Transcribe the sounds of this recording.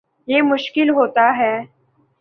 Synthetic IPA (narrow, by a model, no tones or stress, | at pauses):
jemʊʃkɪlɦot̪aɦɛː